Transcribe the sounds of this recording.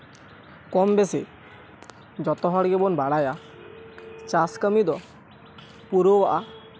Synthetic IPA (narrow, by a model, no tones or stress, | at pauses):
kɔmbese | d͡ʑɔt̪ɔɦɔɽɡebonbaɽaja | t͡ɕaskəmid̪ɔ | puɾoa